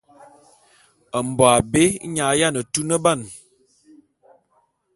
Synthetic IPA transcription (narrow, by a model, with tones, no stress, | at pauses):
ə˨m˨bɔ˨a˨be˦ɲa˨˦ja˦˨nə˨tu˦nə˦ba˦˨n